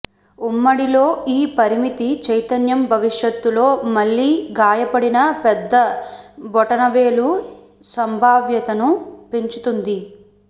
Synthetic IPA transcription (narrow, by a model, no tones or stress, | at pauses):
umːɐɽilo̞ːiːpɐɾimit̪it͡ʃɐjt̪ɐnjɐmbʱɐʋiʂjɐt̪ːulo̞ːmɐɭːiːɡaːjɐpɐɽinɐpɛd̪ːɐbɔʈɐnɐʋe̞ːlu | sɐmbʱaːʋjɐt̪ɐnupeɲt͡ʃut̪und̪i